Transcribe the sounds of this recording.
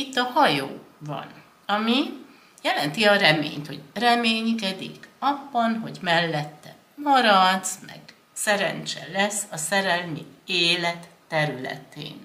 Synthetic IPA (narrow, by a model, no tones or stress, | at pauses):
it̪ːɒhɒjoːvɒ̰n | ɒmi | jɛlɛnt̪iɒɾɛmḛːɲt̪ho̞ɟrɛmeːɲkɛd̪ḭkɒbːɒnɦo̞ɟmɛlːɛt̪ːɛ | mɒɾɒd̪smɛ̰ɡ̥ | sɛɾɛ̰nt͡ʃɛ̰lɛsːɒsɛɾɛlmḭeːlɛt̪ːɛɾylɛ̰t̪ḛːn